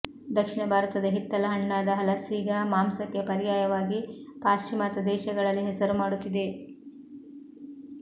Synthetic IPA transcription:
d̪ɐkʂiɳɐbʱaːɾɐt̪ɐd̪ɐɦit̪ːɐlɐɦɐɳːaːd̪ɐɦɐlɐsiːɡɐmaːmsɐkːe̞pɐɾijaːjɐʋaːɡipaːʃt͡ʃimaːt̪ɐd̪ɛːʃɐɡɐɭɐlːiɦɛsɐɾumaːɽut̪ːid̪e̞

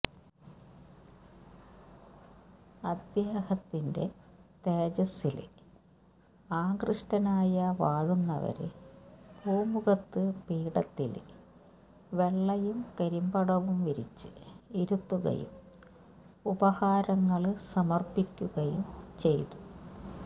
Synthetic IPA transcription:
ɐd̪jaːhɐt̪ːinde̞̰t̪e̞ːd͡ʑɐsːil | aːɡrɨʂʈɐnaːjɐʋaːɻunːɐ̰ʋɐ̰ɾɨ̰b̥ʱuːmuɣɐt̪ːɨpiːɽɐt̪ːḭl | ʋe̞ɭːɐjumkeɾimbɐɽɐʋumʋiɾḭt͡ɕːɨ̥iɾut̪ːuɣɐ̰jṵm | ubɐhaːɾɐŋːɐɭsɐmɐrpikʲːuɣɐjumt͡ɕe̞jt̪u̥

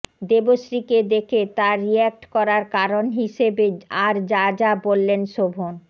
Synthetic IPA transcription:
d̪eboʃɾiked̪ekʰet̪aɾiɛk̚ʈkɔɾaɾkaɾonɦiʃebeaɾd͡ʑad͡ʑabolːenʃobʱon

